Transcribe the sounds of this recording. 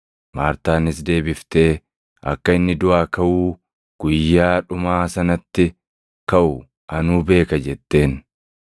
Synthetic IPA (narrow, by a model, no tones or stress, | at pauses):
maːɾt̪aːnɪs̬d̪e̞ːbɪft̪e̞ː | ɐkːɐɪnːɪd̪ʊaːkɐʔuː | ɡ̥ʊjːaːᶑʊmaːsɐnɐt̪ːɪ | kɐʔʊ | ʔɐnuːbe̞ːkɐd͡ʒɛt̪ːe̞ːn